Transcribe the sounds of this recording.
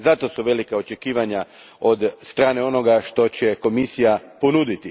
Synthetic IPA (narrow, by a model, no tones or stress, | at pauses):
zat̪o̞suʋe̞likao̞t͡ʃe̞kiːʋaɲa | o̞d̪st̪ɾaːne̞o̞no̞ɡaʃt̪o̞t͡ɕe̞ko̞misijapo̞nud̪it̪i